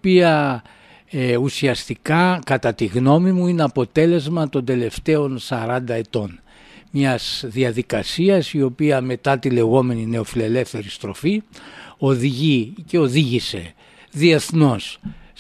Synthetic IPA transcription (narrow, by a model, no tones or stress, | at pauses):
piɐ | usiɐst̪ikɐkɐt̪ɐt̪iɣno̞mimuineɐpo̞t̪e̞le̞zmɐt̪o̞nd̪e̞le̞ft̪e̞o̞nsɐɾɐnd̪ɐe̞t̪o̞n | mɲɐz̥ðiɐðikɐsiɐsio̞piɐme̞t̪ɐt̪ile̞ɣo̞me̞nine̞o̞file̞le̞fθe̞ɾist̪ɾo̞fio̞ðiʝiceo̞ðiʝise̞̰ | ðie̞θno̞s